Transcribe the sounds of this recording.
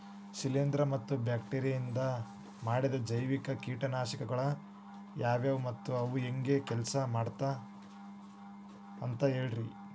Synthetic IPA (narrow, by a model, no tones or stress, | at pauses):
sileːnd̪ɾɐmɐt̪ːubjaːk̚ʈeːɾijɐjind̪ɐ | maːɽid̪ɐd͡ʒɐjʋikɐkiːʈɐnaːʃikɐɡɐɭɐ | jaːʋeːʋumɐt̪ːuɐʋueŋɡe̞kɛlsɐmaːɽt̪a | ɐnt̪ɐɦe̞ːɭɾi